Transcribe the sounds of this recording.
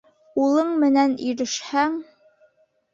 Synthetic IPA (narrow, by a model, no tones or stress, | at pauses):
ulˠɤɴmɘ̆næniɾɘ̆ʃhæŋ